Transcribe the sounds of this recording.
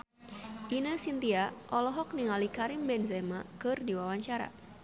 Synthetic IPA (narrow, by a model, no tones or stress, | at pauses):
ʔinəsint̪iaʔɔlɔɦɔk̚niŋalikaɾimbɛnzɛmakɨrdiwawaɲt͡ʃaɾa̰